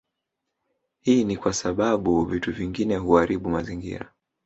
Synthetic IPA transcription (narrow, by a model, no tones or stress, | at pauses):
hiːnikwasaɓaɓuvituviŋɡinɛɦuaɾiɓumaziŋɡḭɾa̰